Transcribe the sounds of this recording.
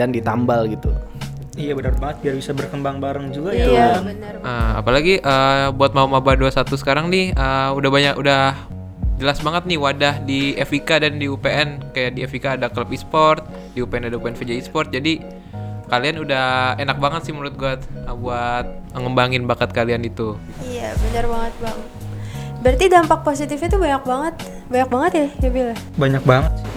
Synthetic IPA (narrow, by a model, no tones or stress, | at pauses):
dandit̪ambalɡit̪ṵ | ijabənar̚baŋət̪̚iarbisabərkəmbaŋbaɾəŋd͡ʒuɡaj | ʔəa̰palaɡiʔəbuat̪̚maumabaduasat̪usə̥kaɾaŋnɪhəudahbaɲakudah | d͡ʒəlasbaŋət̪̚nɪhwadahdiefikadandiupeʔɛnkajaʔdiefikaːdakləpispɔrt̪̚ | diupeɛnadaupeɛnfid͡ʒaispɔrt̪̚d͡ʒadi | kalianudahenak̚baŋət̪sɪhməɾʊt̪̚ɡuat̪əbuat̪̚məŋəmbaŋɪnbakət̪̚kalianit̪u | ijabaɲarbaŋət̪̚baŋət̪bəɾart̪idampak̚posit̪ɪfit̪ubaɲak̚baŋət̪ | baɲak̚baŋət̪jaabila | baɲak̚baŋət̪